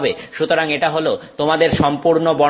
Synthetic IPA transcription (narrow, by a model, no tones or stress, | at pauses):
beʃut̪oɾaŋeʈaɦolot̪omad̪eɾʃɔmpuɾnobɔ